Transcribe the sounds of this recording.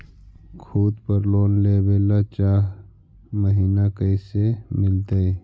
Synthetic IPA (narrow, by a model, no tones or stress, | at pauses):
kʰuːd̪pəɾloːnleːbeːlat͡ʃaːɦ | məɦiːnakəɪsemɪlt̪ee